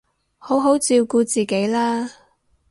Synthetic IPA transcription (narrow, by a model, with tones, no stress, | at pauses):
ho˨˥wɦo˨˥wt͡siː˧wkuː˧t͡siː˨˩ke˨˥jlaː˥